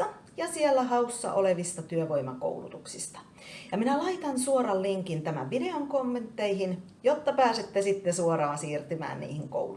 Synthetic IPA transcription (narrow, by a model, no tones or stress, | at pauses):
ɑ | jɑsielːæhɑusːɑ̰ʔoleʋist̪ɑt̪yøʋoimɑko̰ulṵt̪uksist̪ɑ̥ | jɑminælɑit̪ɑnsuorɑlliŋkint̪æmæ̰ʋʋideoŋkomːent̪ːeihin | jot̪ːɑpæːset̪ːesit̪ːesuoɾɑːnsiːrt̪ymæ̰ːnnḭːhiŋko̰u